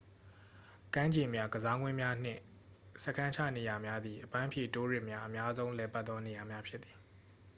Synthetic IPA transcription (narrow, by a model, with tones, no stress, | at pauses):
kã˦ɲd͡ʑẽ˨mja˦ɡəza˦ŋwɪ̃˦mja˦n̥ɪ̰̃˦˨ | sɛ˦˨kʰã˦ɲt͡ɕʰä̰˦˨ne˨ja˨mja˦d̪ði˨ʔəpã˦mpʰjḛ˦˨to˦ɹɪ˦ʔmja˦ʔə˨mja˦zõ˦ʊ̃lɛ˨pa˦t̪ðɔ˦ne˨ja˨mja˦pʰjɪ˦ʔ̪θi˨